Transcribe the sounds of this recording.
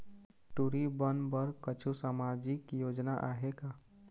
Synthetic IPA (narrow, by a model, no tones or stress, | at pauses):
ʈuɾibənbəɾkət͡ʃʰusamad͡ʒikjod͡ʒnaʔaɦeka